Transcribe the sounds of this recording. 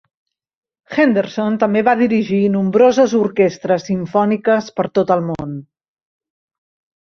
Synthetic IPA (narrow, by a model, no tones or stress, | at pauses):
xend̪əɾsont̪əmbeβaðiɾiʒinumbɾozəzuɾkest̪ɾəsiɱfɔnikəspəɾt̪ot̪əlˠmon